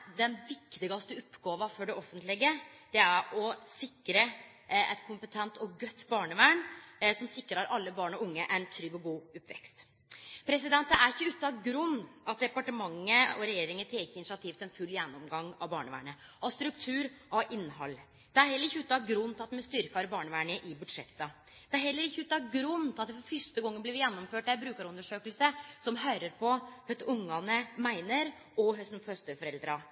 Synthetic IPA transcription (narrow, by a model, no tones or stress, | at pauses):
d̪ɛnʋɪkt̪ɪɡɑst̪əʊpːɡɑːʋɑfɔɖɛɔfənt̪lɪɡəd̪̥ɛæɾɔsɪkːɾə | ʔɛt̪kʰʊmpət̪ʰɛnt̪ɔɡœt̪ːbɑːɳəʋæːɳsɔmsɪkːɾəɑɾɑlːəbɑːɳɔʊŋːəʔɛɪnt̪ʰɾʏɡɔɡuːʊpʋɛ̰kst̪ | pʰɾɛsɪd̪ɛnt̪əæɾɪçːəʉːt̪ːɑɡɾʉnːʔɑt̪̚d̪ɛpɑʈəmɑŋːəɔɾɛjeːɾɪŋət̪ʰɛːçəɪnɪʃɑt̪ʰiːft̪ɛnfʉlːjɛnːɔmɡɑŋːɑʋbɑːɳəʋæ̰ːɳəɑst̪ɾʉkt̪ʰʉːɾʔɑʔɪnːhɑ̰lː | d̪̥ɛæɾhɛlːəɾɪçːəʉːt̪ːɑɡɾʉnt̪ʰɑt̪ːmɛst̪ʏɾkɑɾbɑːɳəʋæːɳəʔɪbʉd̪ʂɛt̪ːə | d̪̥ɛæɾhɛlːəɾɪçːəʉːt̪ːɑɡɾʉnːt̪ɑt̪̚ːɛfɔɾfʏʂt̪əɡɔŋːənblɪʋɪjɛnːɔmføːʈ̪ːæɾbɾʉːkɑɾɔnd̪əʂøːkəlsəsɔmɦœːɾəɾpʰɔœt̪ːʊŋːɑnəmæɪnəɾ | ɔɦœsn̩fœst̪əfɔɾɛld̪ɾɑ